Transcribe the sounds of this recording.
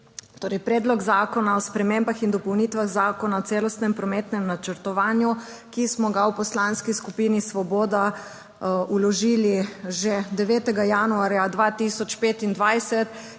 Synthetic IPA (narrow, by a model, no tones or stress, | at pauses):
t̪oːɾɛjpɾɛːd̪lɔɡzaːkɔnaɔspɾɛmeːmbaxind̪ɔpɔwnit̪ʋaɣzaːkɔnaɔt̪seːlɔst̪nɛmpɾɔmeːt̪nɛmnat͡ʃɛɾt̪ɔʋaːnjukismɔɡawpɔslanskiskupiːnisʋɔbɔːd̪a | ulɔʒiːliʒɛd̪ɛʋɛːt̪ɛɡajanuaːɾjad̪ʋat̪isɔt͡ʃpeːt̪ind̪ʋajsɛt̪